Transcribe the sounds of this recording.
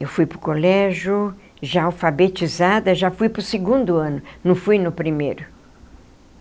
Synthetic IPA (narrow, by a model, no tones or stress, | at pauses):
ewfujpɾʊkolɛʒʊ | ʒaawfabet͡ʃizad̪ɐʒafujpɾʊseɡũnd̪ʊɐ̃nʊnɐ̃w̃fujnʊpɾimḛjɾʊ